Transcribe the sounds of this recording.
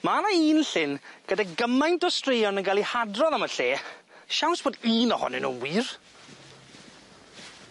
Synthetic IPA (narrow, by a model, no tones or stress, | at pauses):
maanaiːnɬɪnɡ̥ədaɡəmajntɔstrejɔnənɡalˠihadrɔðaməɬeː | ʃawnsb̥oːdiːnɔhɔ̰nɪ̰nṵnwiːr